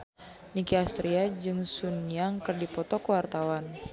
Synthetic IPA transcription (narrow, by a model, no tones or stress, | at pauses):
nikiast̪ɾiad͡ʒɨŋsuniaŋkɨrdipɔt̪ɔkəwart̪awan